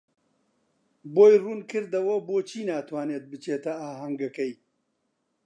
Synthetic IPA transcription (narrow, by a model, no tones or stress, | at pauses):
boːjruːnkɨɾd̪ɐwɐboːt͡ʃʰiːnaːt̪ʰwaːneːt̪̚bɨt͡ʃeːt̪ɐaːɦɐŋɡɐkɐj